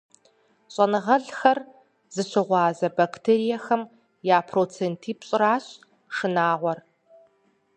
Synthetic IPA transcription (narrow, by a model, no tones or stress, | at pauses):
ɕʼɐnɨʁɐɮxɐr | zɨɕɨʁʷɑːzɐbaktʰeːɾijɐxɐm | jaːpʰroːt͡sʰeːntʰiːpɕʼɪɾaːɕ | ʂɨnaːʁʷɔr